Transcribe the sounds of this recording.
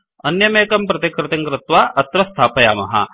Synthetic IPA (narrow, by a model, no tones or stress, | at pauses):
ɐnjɐmeːkɐmpɾɐt̪ɐkɾɪt̪ɐŋkɾɪt̪ʋaːʔɐt̪ɾɐst̪ʰaːpɐja̰ːmɐ̰ɦɐ̰